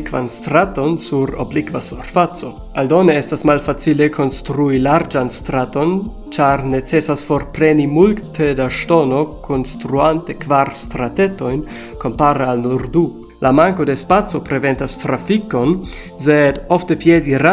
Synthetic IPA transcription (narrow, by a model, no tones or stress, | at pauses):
kva̰nst̪ɾato̞nsuɾo̰blikvasuɾfat͡so̞ | aldoneestasmalfat͡silekʰo̞nstɾuilaɾd͡ʒanstɾato̞n | t͡ʃaɾnet͡sesasfoɾpɾenimultʰedaʃtono̞kʰonstɾuantekvaɾstɾateto̞jn | kompaɾealnoɾdu | lamaŋko̞despat͡so̞pɾeventastɾafiko̞n | sedoftepjediɾa